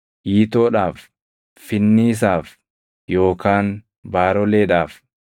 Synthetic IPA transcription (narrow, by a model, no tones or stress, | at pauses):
ʔiːt̪oːᶑaːfː | ɪnːiɪs̬aːf | jo̞ːkaːn | baːɾɔleːᶑaːf